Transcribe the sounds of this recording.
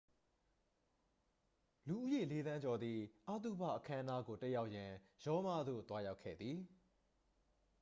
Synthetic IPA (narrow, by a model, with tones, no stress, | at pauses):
lu˨ʔu˦je˦˨le˨˦d̪ã˦ɲd͡ʑɔ˨d̪ði˨ʔa˦t̪ṵ˦˨ba̰˦˨ʔəkʰã˦əna˦ɡo˨tɛ˦ja˦ʊʔjã˨jɔ˦ma˦˨d̪o̰˦˨t̪wa˦ja˦ʊkʰːɛ̰˦˨d̪ði˨